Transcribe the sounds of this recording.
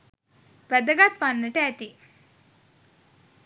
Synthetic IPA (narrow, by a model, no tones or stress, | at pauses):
ʋɛd̪ɐɡat̪ʋanːəʈɛːt̪i